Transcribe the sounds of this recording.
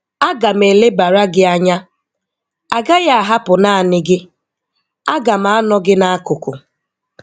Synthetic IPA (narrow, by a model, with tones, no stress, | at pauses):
a˦ɡa˨m̩e˨le˦ba˨ɾa˦ɡɪ˦a˦ɲa˦ | a˨ɡa˦ja˦a˨ɦa˦pʊ˨naː˦a˨nɪ˦ɡɪ˦ | a˦ɡa˨m̩a˨˦a˦nɔ˦ɡɪ˦na˦a˦kʊ˨kʊ̰˨